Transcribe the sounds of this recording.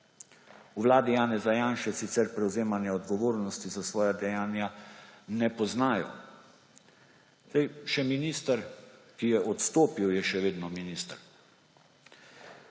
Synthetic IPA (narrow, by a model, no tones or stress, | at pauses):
uʋlaːd̪ijaːnɛzajanʃɛsit̪sɛɾpɾɛwzeːmanjɛɔd̪ɡɔʋoːɾnɔst̪izasʋɔːjad̪ɛjaːnjanɛpɔznaːjɔ̰ | zɛjʃɛminiːst̪əɾkijɛʔɔt̪st̪oːpiwjɛʃɛʋeːd̪nɔminist̪əɾ